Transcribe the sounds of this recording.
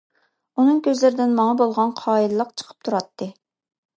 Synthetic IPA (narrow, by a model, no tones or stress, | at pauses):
unɨŋkʲʰøzlɪɾɪd̪ɪnmɑŋɑbolˠʁɑnqʰɑːilɨlˠəqt͡ʃʰə̥qʰə̥p̚t̪ʰuɾɑt̪ʰːɨ